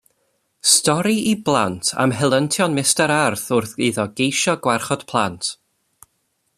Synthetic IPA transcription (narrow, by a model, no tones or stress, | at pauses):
stɔɾiiblˠantʰa̰mɦɛlˠəntʰjɔnmɪstaɾarθʊrθɨðɔɡejʃɔɡwarχɔd̥pʰlˠantʰ